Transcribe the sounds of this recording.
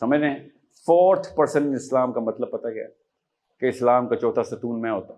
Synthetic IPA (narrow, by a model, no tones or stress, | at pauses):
sɐməd͡ʒʱneɛ̃ | fɔːɾʈʰpɐɾsə̃ɳʈnɪslaːmkamɐt̪ləb̚pɐt̪aɡɐja̰ː | keɪslaːmkat͡ʃɔːʈ̪ʰasɐt̪uːnmɛ̃ɦoːt̪a